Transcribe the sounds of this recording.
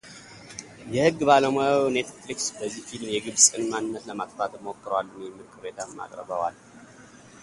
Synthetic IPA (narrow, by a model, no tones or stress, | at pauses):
jɛhɨɡːbaləmownet̪fliksbəzːihfilmjɛɡɨβsʼɨnmanːɨnːət̪ləmak̪t̪ʰat̪ɨmokːɨɾwalːəmjɛmːɨɾkʼɨβet̪ʰamːa̰kʼɾə̰βəwal